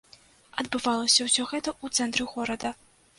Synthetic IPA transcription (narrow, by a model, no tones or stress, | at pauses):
ɐd̪bɨvalˠɐsʲɐwsʲɔɣɛt̪ɐut̪sɛnt̪ɾɨɣɔɾɐd̪ɐ